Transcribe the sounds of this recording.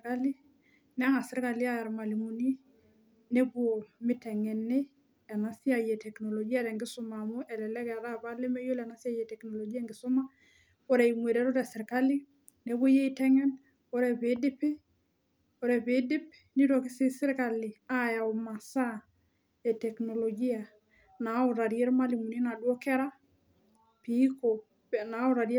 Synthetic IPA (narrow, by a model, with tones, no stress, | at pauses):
ka˦li˦ | nɛ˦a˦ŋa˨sɪ˦ɾka˨li˦a˦ja˨ɾma˨li˨mu˨ni˦ | ne˦bo˨mɪ˦tɛ˨ŋɛ˨ne˦ | ɛ˨na˨si˦a˨jɛ˨tɛ˨knɔ˨lɔ˨ɡi˦a˦ɾɛ˨ŋɡɪ˦sʊ˦ma˨mʊ˦ʔɛ˨lɛ˨lɛ˦kɛ˨a˨ɾa˦βa˦le˦mɛ˦jo˦lɛ˨na˦sja˦jɛ˨tɛ˨knɔ˨lɔ˨ɡi˦ɛ˦ŋɡɪ˨sʊ˦ma˦ | ɔ˦ɾɛ˨i˨mwe˨ɾɛ˦ɾɔ˦ɾɛ˨sɪ˨ɾka˦li˦ | ne˨βo˦je˦i˨tɛ˦ŋɛn | o˦ɾɛ˨βe˦dɪ˦pe˦ | o˨ɾɛ˨βe˨˦dɪ˦p | ni˦ɾo˨kɪ˦se˦sɪ˦ɾka˨li˨a˦ja˨o˨ma˨sa˦ | ɛ˨tɛ˨kno˨lɔ˨ɡi˦a˨ | na˨o˨ɾa˨ɾje˦ɾma˦li˨mu˨ni˦na˨dwɔ˦kɛ˦ɾa˦ | pi˦ko | na˨o˦ɾa˨ɾje